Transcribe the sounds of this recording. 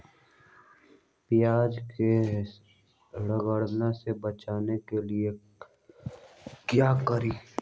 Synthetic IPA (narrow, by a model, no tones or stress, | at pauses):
pɪjaːd͡ʒke | ɽəɡəɽnasebət͡ʃaːnekelie | kjaːkəɾiː